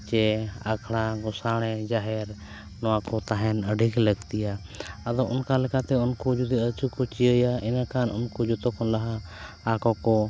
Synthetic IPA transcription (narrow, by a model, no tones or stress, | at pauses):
t͡ʃɛakʰɽ̃aɡɔsaɽ̃ɛd͡ʒaɦɛɾ | nɔakɔt̪aɦɛnəɖʱikləɡt̪ija | əd̪ɔʔʊnkalɛkat̪ɛʊnkɔd͡ʒud̪iət͡ʃukɔt͡ʃijəjaɛnakanɔnkud͡ʒɔt̪ɔkʰɔnlaɦaː | kɔkɔ